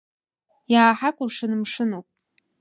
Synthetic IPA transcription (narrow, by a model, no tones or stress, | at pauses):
jaːħakʷʼʊrʂɨnɨmʂɨnowpʼ